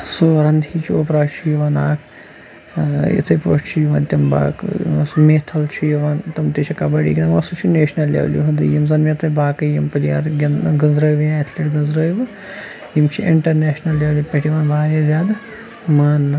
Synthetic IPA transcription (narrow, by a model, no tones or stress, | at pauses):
soɾɐnd̪ʱiːt͡ʃʰioːpɾaːt͡ʃʰijiʋɐnaːkʰ | jḭt̪ʰɐjpo̰ːʂt͡ʃʰijiʋɐːnt̪ʲɐmba̰ːksmeːt̪ʰɐlt͡ʃʰijiʋaːnt̪ɐmt̪it͡ʃʰikɐbɐɽḭːɡʲinɐmɐsut͡ʃʰineːʃnɐlːjḛʋlʲḭɦɐnd̪ɨjimzɐnmʲet̪ʰɐjbaːkɨjimpɨlija̰ːɾɡʲɐnɡɐzɾɐjʋjaːɐt̪ʰlʲiʈɡɐzɾɐːjʋɨ | jimt͡ʃʰiʔiɳʈɐɾneːʃnɐlːeːʋlʲipʲɐʈiʋaːnbaːɾʲjazʲaːd̪ | maːnːɨ